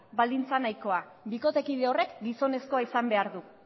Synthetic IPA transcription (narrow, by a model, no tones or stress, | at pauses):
bald̪int͡sanajko̞a | biko̞t̪e̞kiðeo̞re̞kɡiso̞ne̞sko̞aisambe̞aɾðu